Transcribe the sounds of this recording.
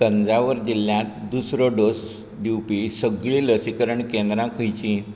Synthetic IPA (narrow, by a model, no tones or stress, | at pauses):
kənd͡zaʋəɾd͡ʑilːjãt̪d̪usɾɔɖos | ɖiwpisəɡɭiləsikəɾəɳkẽnd̪ɾãkʰəjt͡ɕĩ